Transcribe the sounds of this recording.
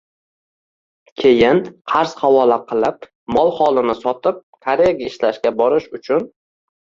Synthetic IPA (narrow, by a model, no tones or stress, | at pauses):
kʲʰejɪnqʰɑɾsχawɒlaqʰɨlˠɪp̚ | mɒlˠχɒlˠɪnɪsɒt̪ʰɪp̚kʰaɾejaɡʲaɪʃlaʃɡʲabɒɾɪʃʊt͡ʃʰʊn